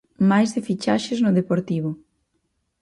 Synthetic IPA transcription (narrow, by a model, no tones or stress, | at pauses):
majzðefit͡ʃaʃɪznʊðepoɾt̪iβʊ